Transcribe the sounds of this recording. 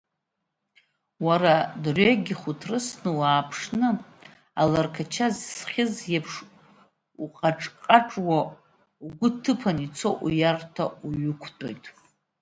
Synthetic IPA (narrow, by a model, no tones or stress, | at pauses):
waɾadrʷeɡʲiχutʰrɨsnɨwaːpʰʂnɨ | alarkʰat͡ʃʰazsχʲɪzjapʰʂ | uqʼaʈ͡ʂʼqʼaʈ͡ʂʼwa | uɡʷʊtʰɨpʰanit͡sʰoʔujartʰauɥʊkʷʰtʼo̞̰jtʼ